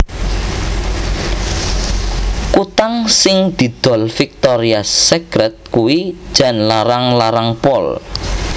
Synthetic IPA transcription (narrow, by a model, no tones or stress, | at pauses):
kut̪aŋsɪŋd̪̥i̤d̪̥ɔ̤lfik̚t̪ɔɾiasɛkɾɛt̪̚kuwi̥ʒ̥a̤nlaɾaŋlaɾaŋpɔl